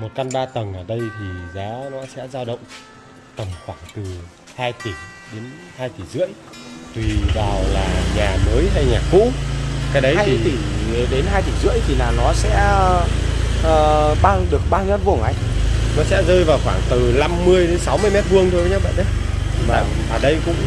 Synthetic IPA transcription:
mo˨˩t̚ka˧nɓaː˧t̪ə˨˩ŋʔəː˧˩ɗə˧jt̪ʰi˨˩zaː˨˦nɔ˨˦sɛ̰˧˥zaː˧wɗə̰˧˨wŋ͡m | t̪ə˨˩mxwaː˧˩ŋt̪ɨ˨˩ | haː˧jt̪i˧˩ | ɗe˨˦n | haː˧jt̪ʰi˧˩zɨ̰˧˥əj | t̪wi˨˩ɓaː˨˩wlaː˨˩ɲaː˨˩məː˨˦jɦa˧jɲaː˨˩kṵ˧˥kaː˨˦jɗə˨˦ja˧t̪ʰi˧˩˨ɗe˨˦nɦaː˧jt̪ʰi˧˩zɨ̰˧˥əjt̪ʰi˨˩laː˨˩nɔ˨˦sɛ̰˧˥ | ʔəː˨˩ɓaː˧ŋɗɨ˨˩ək̚ɓaː˧ŋɲə˦˥t̚vu˧˩əŋʔa˨˦jnɔ˨˦sɛ̰˧˥zəː˧jvaː˨˩wxwaː˧˩ŋt̪ɨ˨˩la˧mːɨ˧əjɗe˨˦nsa˨˦wmɨ˧əjmɛ˦˥t̚vɨ˧əŋt̪ʰo˧jvə˨˦ɲa˧wɓa̰ː˧˨nʔə˨˦jvaː˨˩ | vaː˨˩ɗə˧jkʊ̰˧˥ŋ͡m

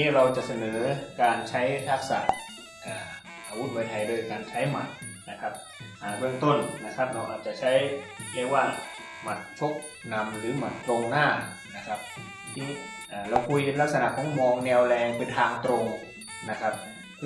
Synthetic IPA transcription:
iː˦˥ɾa˧wt͡ɕa˨˩sa˧nɤː˩˦kaː˧nt͡ɕʰa˦˥jt̪ʰa˦˥k̚sa̰˨˩ʔ | ʔaː˨˩ | ʔaː˧wu˦˥t̪̚waː˧jt̪ʰa˨˩jlɤː˧jkaː˧nt͡ɕʰa˦˥jma̰˨˩t̪̚ | na˦˥kʰa˦˥p̚ | ʔaː˨˩bɯ˥˩əŋt̪o˥˩nna˦˥kʰa˦˥p̚ɾa˧wʔaː˨˩t̪̚t͡ɕa˨˩t͡ɕʰa˦˥jli˧˥˩k̚waː˥˩ | ma˨˩t̪̚t͡ɕʰo˦˥k̚ | na˧mɾɯː˩˦ma˨˩t̪ːɾo˧ŋnaː˥˩ | na˦˥kʰa˦˥p̚ | t̪ʰiː˥˩ | ʔaː˨˩ɾa˧wkʰu˧jʔe˧nla˦˥k̚sa˧na˨˩kʰɔː˨˩˦ŋmɔː˧ŋnɛː˧wlɛː˧ŋkʰɯː˧˥t̪ʰaː˧ŋt̪ɾo˧ŋ | na˦˥kʰa˦˥p̚

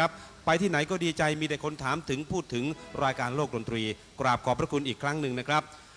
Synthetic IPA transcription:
a˦˥p̚ːa˧jt̪ʰiː˥˩na˩˦jkɔː˥˩diː˧t͡ɕa˧jmiː˧da˥˩kʰo˧nt̪ʰaː˩˦mt̪ʰɯ˩˦ŋpʰuː˥˩t̪ʰːɯ˩˦ŋɾaː˧jkaː˧nloː˥˩k̚do˧nt̪ɾiː˧ | kɾaː˨˩p̚kʰɔː˩˦˥pʰɾa˦˥kʰu˧nʔiː˨˩kʰːɾa˦˥ŋnɯ˧ŋna˦˥kʰɾa˦˥p̚

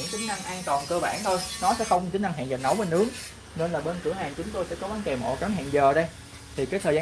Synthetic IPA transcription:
ɨ̰˧˥ŋt͡ɕï˨˦ŋ̟na˧ŋʔaː˧nt̪wɔ˨˩nkəː˧ɓaː˧˩nt̪ʰo˧jnɔ˨˦sɛ̰˧˥xə˧wŋ͡mt͡ɕï̟˦na˧ŋɦa̰˧˨ŋzə˨˩n̚nə˨˦wɓə˧nʔɨ˨˦˥əŋ | ne˧nlaː˨˩ɓə˧nkɨ˧˩əhaː˧˨nt͡ɕʊ˨˦ŋ͡mt̪o˧jsɛ̰˧˥kɔ˨˦ɓaː˨˦nke˨˩mo̰˧˨˩ka˨˦nɦa̰ː˧˨ŋzəː˨˩ɗə˧j | t̪ʰi˨˩kaː˨˦jt̪ʰəː˨˩zː

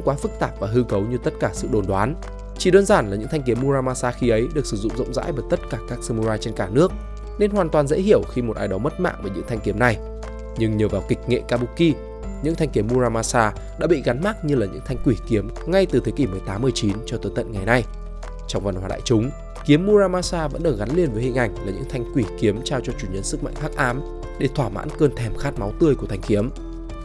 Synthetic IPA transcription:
ŋ͡mkwaː˨˦fɨ˦˥k̚t̪aː˧˩p̚vaː˨˩ɦɨ˧kə˨˦wɲɨ˧t̪ə˦˥t̚kaː˧˩sɨ̰˧˨ɗo˨˩nɗwaː˨˦n | t͡ɕi˧˩ɗəː˧nzaː˧˩nla˨˩ɲɨ̰˧˥ŋt̪ʰa˧jŋ̟ki˨˦əmːu˧zaː˧maː˧saː˧xi˨˧˦ʔə˨˦jɗɨ˨˩ək̚sɨ˧˩zʊ̰˧˨ŋ͡mzʊ̰˧˨ŋ͡mza̰ː˧˥jvəː˨˩jt̪ə˦˥t̚kaː˧˩kaː˦˥k̚sə˧mu˧zaː˧jt͡ɕe˧nkaː˧˩nɨ˦˥ək̚ | ne˧nɦwaː˨˩nt̪waː˨˩nzḛ˧˥hi˧˩əwxi˧mo˨˩t̚ʔaː˧jɗə˨˦wŋ͡mmə˦˥t̚ma̰ː˧˨ŋvəː˨˩jɲɨ̰˧˥ŋt̪ʰjŋ̟ki˨˦əmna˨˩j | ɲɨ˧ŋɲəː˨˩vaː˨˩wkï˨˩k̟̚ŋḛ˧˨kaː˧ɓu˨˧˥k̚ːi˧ | ɲɨ̰˧˥ŋt̪ʰa˧jŋ̟ki˨˦əmːu˧zaː˧maː˧saː˧ | ɗa̰ː˧˥ɓḭ˧˨ɣa˨˦nma˦˥k̚ɲɨ˧laː˨˩ɲɨ̰˧˥ŋt̪ʰa˧jŋ̟kwi˧˩ki˨˦əm | ŋa˧jt̪ɨ˨˩t̪ʰe˨˦ki˧˩mɨ˨˩əjt̪aː˨˦mːɨ˧˩əjt͡ɕi˨˦nt͡ɕɔ˧t̪əː˨˦jt̪ə̰˧˨nŋa˨˩jna˧j | t͡ɕɔ˧wŋ͡mvə˨˩nhwaː˧ɗa̰ː˧˨jt͡ɕʊ˨˦ŋ͡m | ki˨˦əmːu˧zaː˧maː˧saː˧və̰˧˥nɗəː˨˩ɣa˨˦nli˧ənvəː˨˦jhï˨˩ŋ̟ʔa˨˩jŋ̟laː˨˩ɲɨ̰˧˥ŋt̪ʰjŋ̟kwi˧˩ki˨˦əmt͡ɕaː˧wt͡ɕɔ˧t͡ɕu˧˩ɲə˧nsɨ˦˥k̚ma̰˧˨ŋxaː˦˥k̚ʔaː˨˦m | ɗe˧˩t̪ʰwaː˧˩ma̰ː˧˥nkəː˧nt̪ʰɛ˨˩mxaː˦˥t̚ma˨˦wt̪ɨ˧əjku˧˩t̪ʰjŋ̟ki˨˦əm

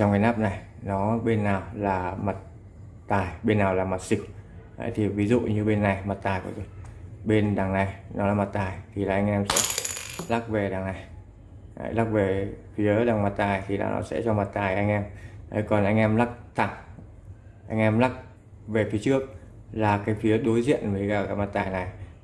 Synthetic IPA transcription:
t͡ɕɔ˧wŋ͡mkaː˨˦naː˦˥p̚na˨˩j | nɔ˨˦ɓe˧nːaː˨˩wlaː˨˩ma˨˩t̚ | t̪aː˨˩jɓe˧nːaː˨˩wlaː˨˩ma˨˩t̚si˨˩k̚ | ʔə̰˧˦jt̪ʰi˨˩vi˨˦zṵ˧˨ɲɨ˧ɓe˧nːa˨˩jma˨˩t̚t̪aː˨˩jkɔ̰˨˦zo˧˨˩ɓe˧nɗaː˨˩ŋna˨˩jnɔ˨˦laː˨˩ma˨˩t̚t̪aː˨˩jt̪ʰi˨˩laː˨˩ʔa˧jŋ̟ʔɛ˧msɛ̰˧˥la˦˥k̚ve˨˩ɗaː˨˩ŋna˨˩j | a̰˧˦jla˦˥k̚ve˨˩fi˨˦ɗaː˨˩ŋma˨˩t̚t̪aː˨˩jt̪ʰi˨˩la̰ː˨˩nɔ̰˨˦sɛ̰˧˥t͡ɕɔ˧ma˨˩t̚t̪aː˨˩jʔa˧jŋ̟ʔɛ˧mʔə̰˨˦jkɔ˨˩nʔa˧jŋ̟ʔɛ˧mla˦˥k̚t̪ʰa˧˩ŋ | ʔa̰˧jŋ̟ʔɛ˧mla˦˥k̚ | ve˨˩fi˨˦ət͡ɕɨ˦˥ək̚ | laː˨˩kaː˨˦jfi˨˦ə˦ɗo˨˦jzḭ˧˨ənvə˨˦kaː˧˩kaː˨˦jma˨˩t̚t̪aː˨˩jna˨˩j

